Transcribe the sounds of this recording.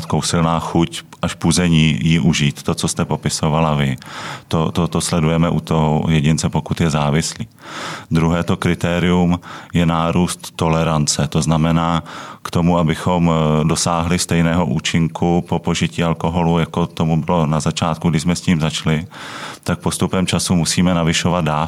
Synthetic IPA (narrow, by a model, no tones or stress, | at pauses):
t̪kowsɪlnaːxucʔaʃpuzɛɲiːjiʔuʒiːt̪ːo̞t͡so̞st̪ɛpo̞pɪso̞valavɪt̪ot̪ot̪oslɛdujɛmɛʔut̪oɦojɛɟɪnt͡sɛpo̞kut̪jɛzaːvɪsliːd̪ɾuɦɛːt̪o̞kɾɪt̪ɛːɾɪjumjɛnaːɾuːst̪ːo̞lɛɾant͡sɛt̪o̞znamɛnaːkt̪o̞muabɪxo̞mdo̞saːɦlɪst̪ɛjnɛːɦo̞ʔuːt͡ʃɪŋkʰupo̞po̞ʒɪciːalko̞ɦo̞lujako̞t̪o̞mubɪlo̞nazat͡ʃaːt̪kuɡdɪʃsmɛsciːmzat͡ʃlɪt̪ak̚po̞st̪upɛmt͡ʃasumusiːmɛnavɪʃo̞vad̪̚daː